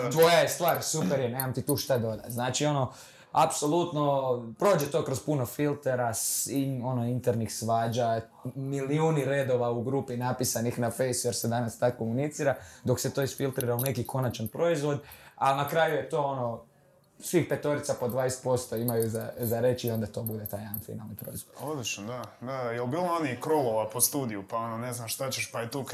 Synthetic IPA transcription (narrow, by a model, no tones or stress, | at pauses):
t̪ʋo̞jajest̪ʋaːɾsupeɾjenezamt̪it̪uːʃt̪ad̪o̞d̪a̰znaːt͡ʃio̞no̞ | apso̞lˠut̪no̞pɾo̞ːd͡ʒet̪o̞ːkɾo̞zpuno̞filˠt̪eɾasiɲo̞no̞int̪eɾnixsʋaːd͡ʒa | miliuːniɾe̞d̪o̞ʋauɡɾuːpinapisanixnafe̞jsujeɾsed̪anast̪akːomunit̪siːɾad̪o̞kse̞t̪o̞ːisfilˠt̪ɾiːɾaune̞kiko̞nat͡ʃanpɾo̞izʋo̞d̪alnakɾajuje̞t̪o̞ːo̞no̞ | sʋixpe̞t̪o̞ɾit̪sapo̞d̪ʋaːjest̪po̞st̪o̞imajuzazaɾe̞t͡ʃio̞nd̪at̪o̞bud̪e̞t̪aːjanfḭna̰lˠnipɾo̞̰izʋod̪od̪lit͡ʃnod̪ad̪ajelbiːlˠomanikɾolˠoʋapost̪uːd̪iupao̞noneznamʃt̪at͡ɕeʃpajet̪u